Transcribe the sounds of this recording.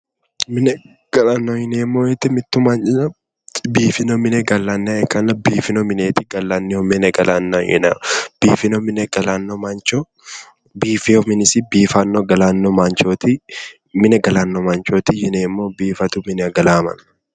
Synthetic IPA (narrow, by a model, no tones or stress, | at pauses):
mɪnɛ | ɡ̥ɐlanːojɪneːmːoːɛt̪ːɪmɪt̪ːʊmant͡ʃɪnɐ | biːfɪnomɪneɡɐlːanːeɛkɐnɐbiːfɪnomɪneːt̪ɪɡɐlːanːɪomɪnɛɡɐlʔanːɐjɪ̰na̰b̥iːfɪnomɪnɛɡɐlanːomant͡ʃo | biːfɪɔmɪnɪsɪbiːfɐnːoɡɐlaːnːɔmaːnt͡ʃoːt̪i | mɪnɛɡɐlaːnːɔmant͡ʃoːt̪ɪjɪneːmːoːbiːfɐt̪ʊmɪnɛɐɡɐlaːmɐ̰n